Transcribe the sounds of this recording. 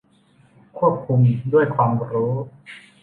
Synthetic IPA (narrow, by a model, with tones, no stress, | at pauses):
kʰu˥˩əp̚kʰu˧mdu˥˩əjkʰwaː˧mɾuː˦˥